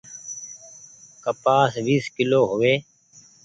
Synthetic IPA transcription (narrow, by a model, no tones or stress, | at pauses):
kəpaːsʋiːskɪloːɦʊʋeː